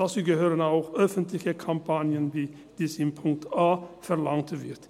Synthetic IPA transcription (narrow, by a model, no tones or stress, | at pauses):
aːt͡suːɡəɦøːɾənaʊxœfənt̪lɪçəkʰɑmpʰɑnjənviː | d̪̥iːsɪmpʰʊŋk̚t̪aːfɛʁlɑŋt̪vɪ̰ɾt̪